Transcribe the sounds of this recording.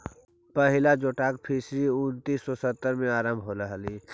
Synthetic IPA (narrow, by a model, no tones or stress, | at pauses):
pəɦɪlad͡ʒoːʈaːkpʰiːsɾiʊnt̪iːsːɔsət̪ːəɾmẽaːɾə̃mbʱɦolaɦliː